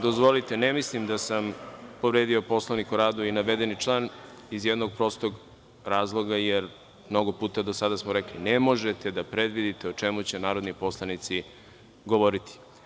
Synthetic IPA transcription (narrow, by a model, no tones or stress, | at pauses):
d̪ozʋo̞lit̪enemislimd̪asampo̞ʋɾeːd̪io̞po̞slˠanikuɾaːd̪uinaʋe̞d̪enit͡ʃlˠaːn | izjed̪no̞ɡ̚pɾo̞st̪oɡ | ɾaːzlˠo̞ɡajeɾ | mno̞ɡo̞puːt̪ad̪osad̪asmoɾeklinemo̞ʒet̪e̞d̪apɾe̞d̪ʋid̪it̪eot͡ʂe̞mut͡ɕe̞naːɾo̞d̪nipo̞slˠanit̪si | ɡoʋo̞ɾit̪ʰi̥